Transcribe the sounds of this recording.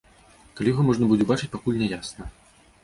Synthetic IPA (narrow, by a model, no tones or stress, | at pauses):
kalʲijɣɔmɔʐnɐbud͡zʲɛbat͡ʂɨ̥t͡sʲpakulʲnʲɛjasnɐ